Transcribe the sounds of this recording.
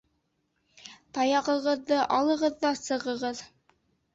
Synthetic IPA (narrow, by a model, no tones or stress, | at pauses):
t̪ɑjɑʁɤ̆ʁɤ̆ðːɤʔɑlˠɤ̆ʁɤ̆ðːɑsɤ̆ʁɤ̆ʁɤð